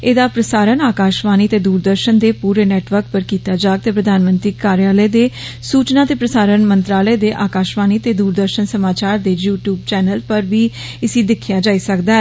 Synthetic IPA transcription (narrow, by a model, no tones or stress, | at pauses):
eːd̪aːpɾəsaːɾənaːkaːʃʋaːniːt̪eːd̪uːɾd̪əɾʃənd̪eːpuːɾeːnɛːʈʋəɾk̚pəɾkiːt̪aːd͡ʒaːɡ̚t̪eːpɾəd̪ʱaːnmə̃nt̪ɾiːkaːɾjaːləed̪eːsuːt͡ʃnãːt̪eːpɾəsaːɾənmənt̪ɾaːləed̪eːʔaːkaːʃʋaːniːt̪eːd̪uːɾd̪əɾʃənsəmaːt͡ʃaːɾd̪eːjuːʈjuːb̚t͡ʃɛːnəlpəɾbiː | ɪsiːd̪ɪkʰːjaːd͡ʒaːiːsəkd̪aːɛ